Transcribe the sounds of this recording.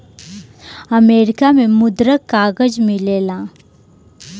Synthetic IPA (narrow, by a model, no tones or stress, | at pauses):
əmeːɾɪkamẽmʊd̪ɾəkːaːɡəd͡ʒmɪleːlãː